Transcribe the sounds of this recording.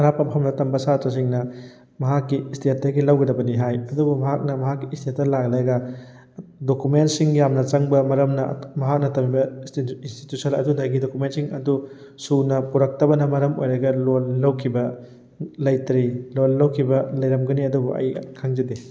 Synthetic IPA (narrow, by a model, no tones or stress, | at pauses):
ɐɾapɐpʰɐmnɐtɐmbɐsatɾɐs̬iŋnɐ | mɐɦakːiːstiet̚tːɐɡilɐwɡɐdɐbɐniɦajɐdubumɐɦak̚nɐmɐɦakːistiettːɐlaɡlaɡɐ | dokumentsiŋijamnɐt͡ʃɐŋbɐmɐɾɐmnɐmɐɦak̚nɐtɐmibɐinsti̥tusɐlɐ̰dudɐɡidokumentsiŋɐ̰du | sunɐpuɾɐk̚tɐbɐnɐmɐɾɐmojɾɐɡɐlolːɐwkʰibɐ | lɐjtɾilolːɐwkʰibɐlɐjɾɐmɡɐniɐdubuʔɐ̰jkʰaŋzɐde